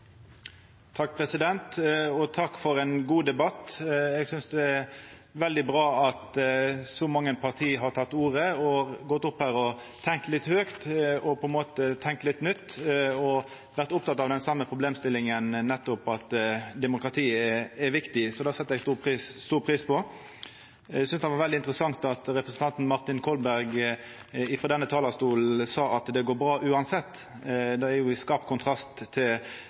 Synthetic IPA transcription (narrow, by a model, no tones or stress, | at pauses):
t̪ʰɑk̚ːpʰɾɛsɪd̪ɛnt̪ɔt̪ʰɑkːfɔɾɛnɡuːd̪ɛbɑt̪ɛɡsʏnsd̪ɛɛ | ʋɛld̪ɪbɾɑːɑt̪sɔmɑŋːəpʰɑʁt̪ʰiːɦɑʁt̪ʰɑt̪ːuːɾəɔɡɔt̪ːʊphæːɾɔ | t̪ʰɛŋk̚t̪lɪt̪ːhøːkt̪ɔpʰɔɛnmoːt̪ət̪ʰɛŋk̚t̪lɪt̪ːnʏt̪ːɔ | ʋæʁt̪ʊp̚t̪ɑt̪ːɑʋd̪ɛnsɑmːəpʰʁʊbleːmst̪ɪlːɪŋənnɛt̪ːʊpɑt̪d̪ɛmʊkɾɑt̪ʰiːɛɛʋɪkt̪ɪsɔd̪ɑːsɛt̪ːɛɡst̪uːpʰiːsst̪uːɾpʰʁiːspʰɔ | sʏnsd̪ɛʋɑɾʋɛld̪ɪnt̪ɾəsɑŋt̪ɑt̪ɾɛpɾəsən̩t̪ʰɑnt̪n̩mɑʁt̪ɪnkʰɔlbæɾɡ | ɪfɾɔd̪ɛnːət̪ʰɑːlɑst̪uːlsɑːɑt̪d̪ɛɡoːɾbɾɑːʔʉːɑnsɛt̪ː | d̪ɛæɾjʊɪskɑːpkʰʊnt̪ʰɾɑst̪ʰːɪl